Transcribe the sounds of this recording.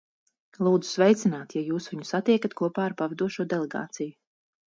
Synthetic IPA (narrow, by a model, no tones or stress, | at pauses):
lˠuːd̪zu̥svɛjt̪sʲinaːt̪jajuːsviɲusat̪iɛkat̪kuɔpaːɾpavɛd̪uɔʃuɔd̪ɛlˠɛɡa̰ːt̪siju